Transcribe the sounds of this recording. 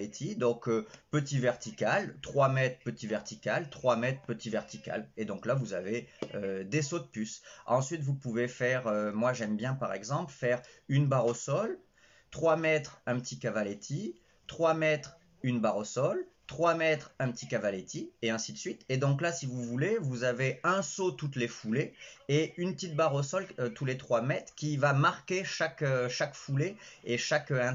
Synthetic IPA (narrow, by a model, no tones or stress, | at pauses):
et̪ʰid̪ɔ̃køpət̪ivɛʁt̪ikʲalt̪χwamɛt̪χpət̪ivɛʁt̪ikʲalt̪χwamɛt̪χpət̪ivɛʁt̪ikʲa̰led̪ɔ̃klavuzaveød̪esod̪əpysɑ̃sɥit̪vupuvefɛʁømwaʒɛmbjɛ̃paʁɛɡzɑ̃plfɛʁynbaʁosɔl | t̪χwamɛt̪χɛ̃pət̪ikavalet̪ʰi | t̪χwamɛt̪χ | ynbaʁosɔlt̪χwamɛt̪χɛ̃pət̪ʰikavalet̪ʰieɛ̃sid̪əsɥit̪ed̪ɔ̃klasivuvulevuzaveɛ̃sot̪ut̪lefuleeynpət̪it̪̚baʁosɔløt̪ulet̪χwamɛt̪χkʲivamaʁkʲeʃakøʃakfuleeʃakøɛ̃